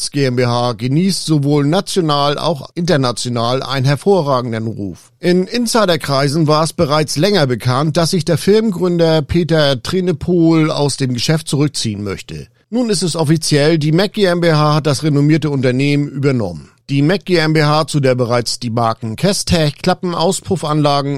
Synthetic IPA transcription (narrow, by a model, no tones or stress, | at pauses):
t͡sɡ̥eːɛmbehaːɡəniːstz̥ovoːlnat͡sjonaːla̰ʊxʔɪntɐnat͡sjonaːlʔa̰ɪnənɦɛɐfoːɐʁaːɡŋ̩dənʁṵːf | ʔɪnɪnsaɪɾɐkʁ̥aɪzn̩vaːɐɛsb̥əʁaɪt͡slɛŋɐbəkʰant̚d̥asz̥ɪçd̥eːɐfɪlmɡʁʏndɐpʰeːtɐtʁ̥enəpʰoːla̰ʊsd̥eːmɡəʃɛft̚t͡suʁʏk̚t͡siːənmœ̰çtə̰ | nuːnɪstɛsʔɔfit͡sjɛldiːmɛk̚ɡ̥eːɛmbehaːhat̚d̥asʁenomiːɐtəʊntɐneːmənʔyːbɐnɔ̰mənd̥iːmɛk̚ɡ̥eːɛmbehaːt͡sudeːɐbəʁaɪt͡sd̥iːmaɐkŋ̩kʰɛstʰɛçkʰl̥apm̩ʔaʊspʁ̥ʊfanlaːɡŋ̩